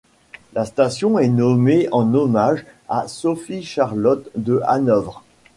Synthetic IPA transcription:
last̪asjɔ̃ɛnɔmeɑ̃nɔmaʒasɔfiʃaʁlɔt̪d̪əa̰nœvʁ

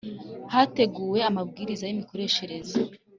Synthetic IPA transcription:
hate̞ɡuːwe̞amabɡiːɾizajimiko̞ɾe̞ʃe̞ɾe̞zo

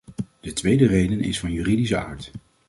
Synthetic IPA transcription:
d̥ətʋejdərejdənɪ̰sfɑnjyridisəa̰ːɹt

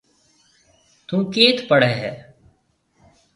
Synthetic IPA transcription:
t̪ũːkeːt̪ʰpəɽɛːɦɛː

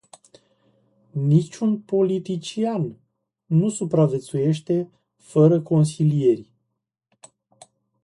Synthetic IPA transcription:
nit͡ʃʲunpo̞lit̪it͡ʃianː | usupɾave̞t̪suje̞ʃt̪e̞ | fəɾəko̞nsilije̞rʲ

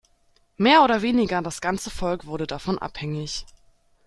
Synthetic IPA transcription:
meːɐʔoːdɐveːnɪɡɐdasɡ̥ant͡səfɔlkv̥ʊɐdədafɔnʔa̰phɛŋɪç

